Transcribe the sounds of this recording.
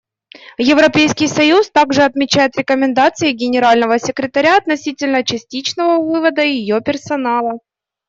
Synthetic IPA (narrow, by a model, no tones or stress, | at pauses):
jɪvɾɐpʲejskʲɪjsɐjust̪aɡʐɨɐt̪mʲɪt͡ɕæjɪt̪ɾʲɪkəmʲɪnd̪at̪sɨɪɡʲɪnʲɪɾalʲnəvəsʲɪkɾʲɪt̪ɐɾʲaɐt̪nɐsʲitʲɪlʲnət͡ɕɪsʲtʲit͡ɕnəvəvɨvəd̪əjɪjopʲɪrsɐnalˠə